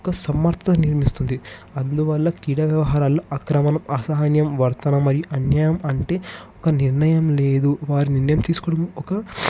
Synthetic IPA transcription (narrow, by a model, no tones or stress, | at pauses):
ɔkɐsɐmːɐɾt̪ʰɐt̪ɐniɾmist̪und̪iɐnd̪uʋɐlːɐkɾiːɽaːʋjɐʋɐɦaːɾaːlːoːʔkɾɐmɐnɐmɐsɐɦanjɐmʋɐɾt̪ɐnɐmːɐɾijuʔɐnjɐjɐmɐɳʈe̞ːɔkɐniɾɳɐjɐmle̞ːd̪uʋaːɾiniɾnɐjɐmt̪iːsu̥kɔːɽɐmɔkɐ